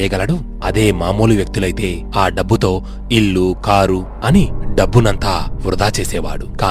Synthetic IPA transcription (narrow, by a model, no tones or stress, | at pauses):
jɐɡɐlɐɽu | ɐd̪e̞ːmaːmuːluʋjɐk̚t̪ulɐjt̪e̞ː | aːɖɐbːut̪o̞ː | iɭːukaːɾu | ɐniɖɐbːunɐnt̪aːʋɾud̪aːt͡ʃeːsɛːʋa̰ːɽukaː